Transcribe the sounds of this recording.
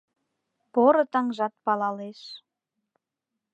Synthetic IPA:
poɾɤ̆t̪ɑŋʒɑt̪̚pɑlɑleʃ

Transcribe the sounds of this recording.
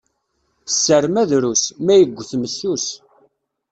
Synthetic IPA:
sːəɾmæðɾusmæjəɡʷːθməsːus

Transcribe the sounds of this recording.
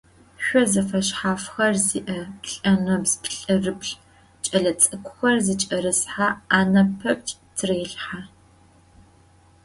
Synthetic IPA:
ɕʷɔzɐfɐʃħaːfxɐrziːʔɐpɬʼɐnɐbzpʰɬʼɨrɨpʰɬ | t͡ʃʼɐɮɐt͡sʼɨkʷʰʼʊxɐrzit͡ʃʼɐɾɨsħaaːnɐpʰɐp̚t͡ʃʼtʰreːɬħa

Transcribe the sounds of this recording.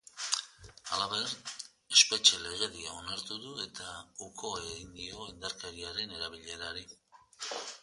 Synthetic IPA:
a̰laβe̞r | e̞spe̞t͡ʃele̞ɣ̞e̞ðiao̞naɾt̪uðue̞t̪aukʰoaeɣind̪io̞ind̪aɾkeɾiaɾe̞ne̞ɾaβ̞iʎe̞ɾaɾi

